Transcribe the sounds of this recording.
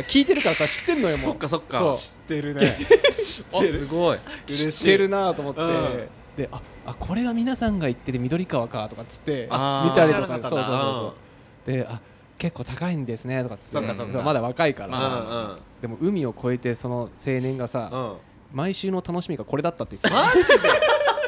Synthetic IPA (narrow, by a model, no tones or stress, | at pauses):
kʲiːt̪e̞ɾɯ̟kaɾasaɕi̥t̪ːeɾɯnːojomookːasokːaso̞ɕi̥t̪ːeɾɯ | eɨɡoiɾeɾɯ̟nat̪o̞ːmo̞t̪ːe̞ | d̪̥e̞ʔa | akʰo̞ɾe̞ɡamʲinasãŋɡait̪ːe̞d̪emʲid̪o̞ɾʲikaβakat̪o̞kat͡sɨ̥t̪ːe̞it̪aɾʲit̪o̞kasoːso̞ːso̞ːso̞ː | d̪̥e̞a | ke̞kːo̞ːt̪akaĩnd̪e̞sɨne̞t̪o̞kat͡sɨ̥t̪ːd̪emad̪aβakaikaɾa | d̪̥e̞mo̞ɯ̟mʲio̞kʰo̞e̞t̪e̞so̞no̞se̞ːnẽ̞ŋɡasa | maiɕɨːno̞t̪ano̞ɕimʲiɡako̞ɾe̞d̪at̪ːat̪ːes